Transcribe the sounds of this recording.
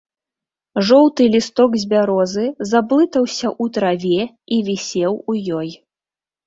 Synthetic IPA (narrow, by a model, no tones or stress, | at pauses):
ʐɔwt̪ɨlʲist̪ɔɡzʲbʲaɾɔzɨzablˠɨt̪ɐwsʲɐʔut̪ɾavʲɛ | ivʲisʲɛwujɔj